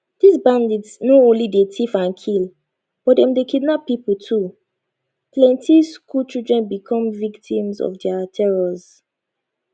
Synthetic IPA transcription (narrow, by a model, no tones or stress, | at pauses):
d̥isbãnditsnoõnlidetʰifãnkʰil | b̥ɔt̚dɛ̃mdekidnɔpiputʰu | plɛ̃ntʰiskʰult͡ʃildɹɛ̃nbikʰɔ̃mviktʰĩmzɔ̰fdɛatʰɛɹɔz